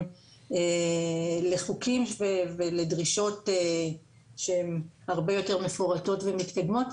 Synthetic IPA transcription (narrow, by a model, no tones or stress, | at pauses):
e | leχukimveveledʁiʃo̞t̪e | ʃeemhaʁbe̞jo̞te̞ʁme̞foʁato̞tvemit̪kad̪mo̞t